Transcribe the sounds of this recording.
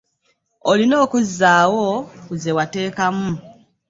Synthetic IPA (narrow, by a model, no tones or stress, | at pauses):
olino̞ːkuzːaːwokuze̞wate̞ːkamu